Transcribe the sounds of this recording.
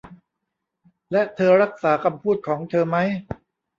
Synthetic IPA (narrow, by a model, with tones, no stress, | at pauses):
lɛ˦˥t̪ʰɤː˧ɾa˦˥k̚saː˩˦kʰa˧mpʰuː˥˩t̪̚kʰɔː˩˦ŋt̪ʰɤː˧ma˦˥j